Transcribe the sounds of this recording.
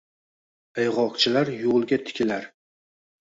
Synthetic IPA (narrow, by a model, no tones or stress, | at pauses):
ajʁɒqt͡ʃʰɪlaɾjolˠɡʲat̪ʰɪ̥kʲʰɪlaɾ